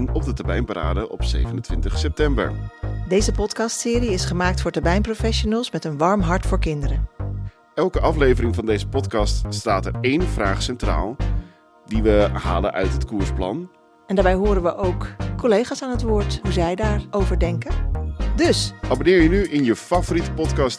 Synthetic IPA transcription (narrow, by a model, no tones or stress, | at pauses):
ŋɔp̚dətabɛjmpaɾa̰ːdəʔɔ̰psḛjvənəntʋɪntəχsɛp̚tɛmbə̰ɹdejzəpɔtkɑstsɪːɾiɪsχəmaːk̚tfʊːɹtaɹbɛjmprofɛʃonəlˠsmɛtənʋɑɹmɦɑɹtfʊːɹkɪndəɾən | ʔɛlˠkəʔɑflejvəɾɪŋvɑndejzəpɔtkɑststaːtəɹejnv̥raːχsɛntra̰ːlˠ | diʋəɦa̰ːlə̰nʔœ̰ɥtɦətkuːɹsplɑ̰n | ɛndaːɹbɛjɦoːɾənʋəʔowkːɔlejχaːsaːnɦətʋʊːɹtɦuzɛjdaːɹowvəɹdɛŋkədɵsʔabonɪːɹjənyʔɪnjəfavoɾitə̥pɔtkɑst